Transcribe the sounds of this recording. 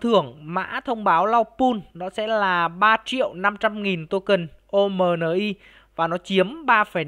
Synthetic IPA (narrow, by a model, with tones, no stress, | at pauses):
t̪ʰɨ˨˩əŋma̰ː˧˥t̪ʰə˧wŋ͡mɓaː˨˦wla˧wpu˧nnɔ˨˦sɛ̰˧˥laː˨˩ɓaː˧t͡ɕḭ˧˨əwna˧mt͡ɕa˧mŋi˨˩nt̪o˧kə˨˩nʔo˧məː˨˩nəː˨˩ʔi˧ | vaː˨˩nɔ˨˦t͡ɕi˨˦əmɓaː˧fə˨˧˩